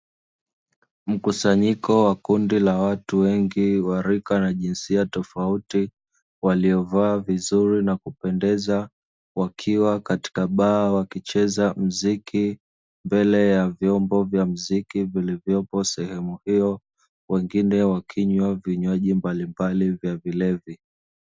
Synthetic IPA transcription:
m̩kusaɲikɔwakundilawatuwɛŋɡiwaɾikanaʄinsiatɔfauti | waliɔvaːvizuɾinakupɛndɛza | wakʰiwakati̥kaɓaːwakit͡ʃɛzam̩ziki | mbɛlɛjavjɔmbɔvjam̩zikivilivjɔpɔsɛhɛmuhiɔ | wɛŋɡinɛwakʰiɲwaviɲwaʄimbalimbalivjavilɛvi

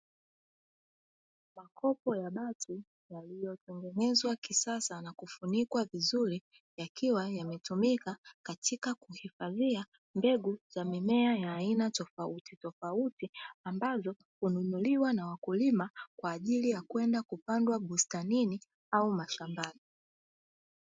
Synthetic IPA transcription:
makʰɔpɔjaɓatʰi | jalijɔtɛŋɡɛnɛzwakisasanakufunikwavizuɾi | jakiwajamɛtumikakatikakuhifaðia | mbɛɡuzamimɛajaːinatɔfautitɔfautiambazɔ | hununuliwanawakulimakwaːʄilijakwɛndakupandwaɓustanini | aumaʃambani

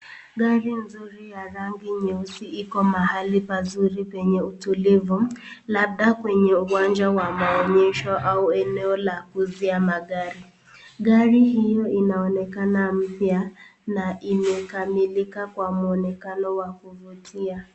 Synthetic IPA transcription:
ɡaɾin̩zuɾijaɾaŋɡɪɲeusiikɔmaɦalɪipazuɾipeɲeutulevulab̚dakweɲeuwand͡ʒawamaɔɲɛʃɔʔauɛnɛɔlakuziamaɡaɾi | ɡaɾiɦijɔinaɔnɛkanam̩pjanaʔimekamilikakwamuɔnɛkanɔwakuvutʰia

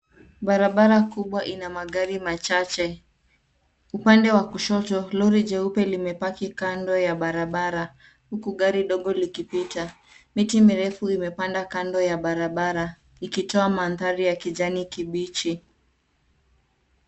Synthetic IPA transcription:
ɓaɾaɓaɾakuɓwaʔinamaɠaɾimat͡ʃat͡ʃɛ | upandɛwakuʃɔtɔlɔɾid͡ʒɛupɛlimɛpakikandɔjaɓaɾaɓaɾa | hukuɠaɾiɗɔɠɔlikipita | mitimiɾɛfuimɛpandakandɔjaɓaɾaɓaɾa | ikitɔamanðaɾijakiʄanikiɓit͡ʃi

